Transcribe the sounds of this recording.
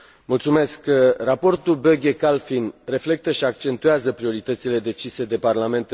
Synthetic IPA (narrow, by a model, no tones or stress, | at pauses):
mult̪sume̞skrapo̞rt̪ubøɡʲekalfinre̞fle̞k̚t̪əʃiak̚t͡ʃe̞nt̪ueazəpɾio̞ɾit̪ət̪sile̞d̪e̞t͡ʃise̞d̪e̞parlame̞nt̪